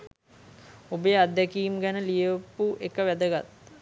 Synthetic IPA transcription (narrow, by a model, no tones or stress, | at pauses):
obəjəad̪ːækiːmɡænəlijəpuʔekəʋæd̪əɡat̪